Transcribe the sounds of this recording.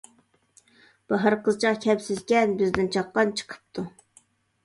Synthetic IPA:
b̥ɑɦəɾqəzt͡ʃʰɑqkʲʰɛpsɪzkʲɛnbɪzd̪ɪnt͡ʃʰɑqːɑnt͡ʃʰə̥qʰə̥p̚t̪ʰu

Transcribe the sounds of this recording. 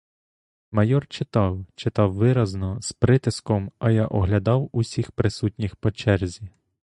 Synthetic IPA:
mɐjɔrt͡ʃɪt̪ɑwt͡ʃɪt̪ɑwʋɪɾɐznɔspɾɪt̪ɪskɔmɐjaʔɔɦlʲɐd̪ɑwusʲixpɾɪsutʲnʲixpɔt͡ʃɛrzʲi

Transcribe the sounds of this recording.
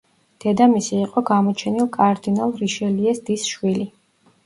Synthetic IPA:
d̪̥ɛd̪amisiːqʼɔɡamɔt͡ʃʰɛnilˠkʼaɾd̪inalˠɾiʃɛliɛsd̪isʃwili

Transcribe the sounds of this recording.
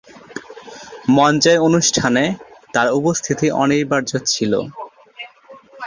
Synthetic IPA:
mɔnt͡ɕaeonuʃʈʰanet̪aɾupost̪ʰit̪iʔɔ̰nekbaɾd͡ʑot̪t͡ɕʰilo̰

